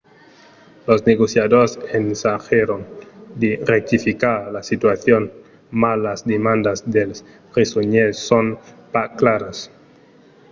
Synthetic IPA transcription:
losneɣosjaðoɾsensaxeɾond̪erek̚t̪ifikaɾlasit̪waθjon | malazd̪emãnd̪azðels | resoɲesːonpaklaɾas

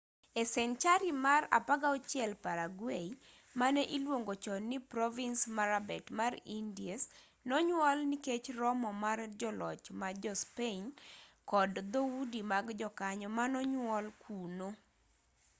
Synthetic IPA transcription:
esɛnt͡ʃaɾimara̰paɡaɔt͡ʃjɛlpaɾaɡwei | manɛʔilwoŋɡot͡ʃɔnipɾɔvinsmaɾabɛtmarindies | nɔɲwɔlniket͡ʃrɔmɔmard͡ʒɔlɔt͡ʃmad͡ʒɔspenkɔdd̪oudimaɡd͡ʒɔkaɲɔmanɔɲwɔlkʰuno

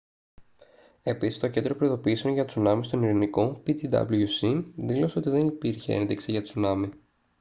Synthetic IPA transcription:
e̞pisi̥st̪oce̞nd̪ɾo̞pɾoiðo̞piiseonʝɐt̪sunɐmist̪o̞niɾiniko̞pit̪id̪ɐ̰bluʝusiðilo̞se̞o̞t̪iðe̞nipiɾçe̞̰ḛnðiksiʝɐt̪t͡sunɐmi

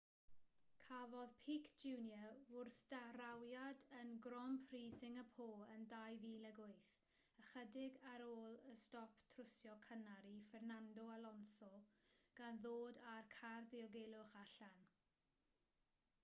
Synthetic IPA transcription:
kʰavɔðpʰikʰd͡ʒuːnjəʊrθd̥aɾawjadənɡɾɔmpʰriːsɪŋəpʰoːəndajviːləɡʊɨθ | əχədɪɡaɾoːlˠəstɔptʰrʊsjɔkʰənaɾifɛrnandɔalɔnsɔɡ̥anðoːdarkʰarðiɔɡeːlˠʊχaɬan

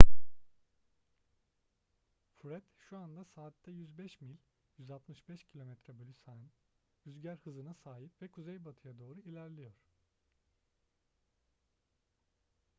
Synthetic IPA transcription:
fɾɛd̪ʃuand̪asaːt̪ːɛjyzbɛʃmilʲ | jyzalˠt̪mɯʃbɛʃcʰilʲo̞mɛt̪ɾɛbølʲysaɯn | yzɟæɾhɯzɯnasaːɦipvɛkʰuzejbat̪ʰɯjad̪o̞ːɾuilʲæɾlʲijoɾ̥

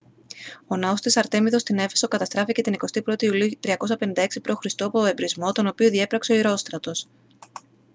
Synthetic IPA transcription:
o̞nɐo̞st̪isɐɾt̪e̞miðo̞st̪ine̞feso̞kɐt̪ɐst̪ɾɐfice̞t̪iniko̞st̪ipɾo̞t̪iːuliut̪ɾiɐko̞sɐpe̞nind̪ɐeksipɾoxɾist̪oɐpoebɾizmo̞t̪o̞no̞pioðie̞pɾɐkse̞o̞iɾo̞st̪ɾɐt̪o̞s

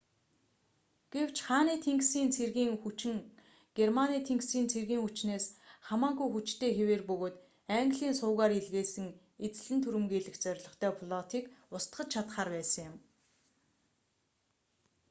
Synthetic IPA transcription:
ɡ̥ew̥t͡ɕχaːniːt̪ʰeŋksiːnt͡sʰerɣiːŋxut͡ɕɪ̆ŋ | ɡ̥ermaniːt̪ʰeŋksiːnt͡sʰerɣiːŋxut͡ɕneːsχamaːŋɣujxut͡ɕt̪ʰeːxeweːrpɵɣoːt̪ | æŋɡɮiːnsʊːɣaːɾeɮɣeːsɘ̆ŋ | et͡s̆ɮɘ̆nt̪ʰuɾɘ̆mɡeːɮɘ̆kt͡sœɾ̆ʲɮɞ̆χt̪ʰœːpʰɮɔt̪ʰiːkʊst̪χə̆t͡ɕt͡ɕʰat̪χaːrpæːsə̆ŋjʊ̆m

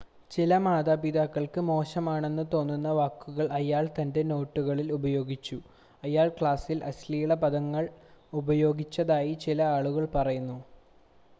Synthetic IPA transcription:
t͡ɕilɐmaːðaːbiðaːkːɐɭkɨmo̞ːɕɐmaːɳe̞nːɨt̪o̞ːnːunːɐʋaːkːuɣɐɭɐjaːɭt̪ɐnde̞no̞ːʈːuɣɐɭilubɐjo̞ːɡit͡ɕːu | ɐjaːɭkɭaːsilʔɐslijuɭɐpɐðɐŋːɐɭubɐjo̞ːɡit͡ɕːɐðaːjit͡ɕilɐaːɭuɣɐɭpɐrɐjunːu

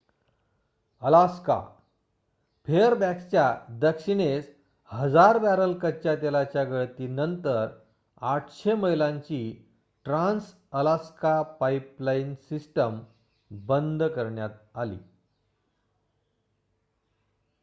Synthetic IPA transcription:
əlaska̰ | pʰeəɾbækst͡ɕjad̪əkɕiɽ̃es | həd͡zaɾbæɾəlkət͡ɕat̪elat͡ɕjaɡəɭt̪iːnənt̪əɾ | aʈʰɕeməɦilãɲt͡ɕiː | ʈɾãns | əlaskapaiplainsisʈəm | bənd̪ʱkəɾɳjat̪̚alḭː

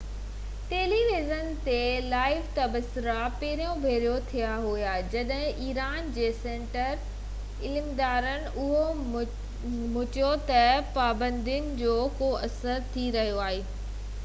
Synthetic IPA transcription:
ʈeːliʋizənt̪elaːɪʋt̪ɐbsʊɾapeːɾijõbʱeːɾijot̪ʰijaɦujad͡ʑɐɗɦɪ̃ʔiːɾaːnd͡ʑeːsẽːɳʈəɾ | ɪlmd̪aːɾənɪ̆ʊɦo | mʊt͡ɕjot̪ɐpaːbə̃nd̪iənɪ̆d͡ʑoːkoɐsəɾt̪ʰiɾɐɦijoaːɦeː

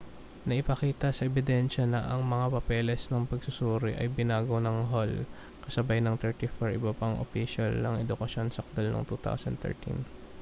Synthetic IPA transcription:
nɐʔɪpɐkiːt̪ɐsɐʔɛbɪd̪ɛnʃɐnɐʔɐŋmɐŋapɐpɛːlɛsnɐŋpɐɡ̚sʊsuːɾɪʔɐ̰jbɪnaːɡonɐŋɦol | kɐsɐbajnɐŋt̪ɛɹt̪ifɐɹʔɪ̰bɐpɐŋʔo̰fiʃɐlnɐŋɛd̪ʊkɐʃjo̞nsɐk̚d̪ɐlno̰ŋt̪ut̪a̰wsɐ̰nt̪ɛ̰ɹt̪ḭn

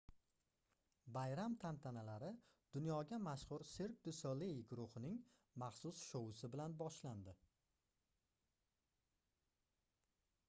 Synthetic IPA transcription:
bajɾamt̪ʰant̪ʰanalaɾɪ | d̪̥ʊnjɒɡʲamaʃχʊɾseɾk̚d̪ʊsolejɡʊɾʊχɪnɪŋ | mɑχsʊsʃowʊsɪbɪlanbɒʃland̪ɪ

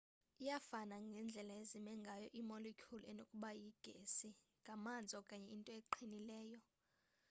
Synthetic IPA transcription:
ijafanaŋɡʱɛnd͡ɮʱɛlaezimɛŋɡʱajɔʔimɔlekʰulɛnokʼuɓajiɡ̥ʱesiŋɡʱamand͡zʱɔkʼaɲɛintʼɔeǃʰinilɛːjɔ

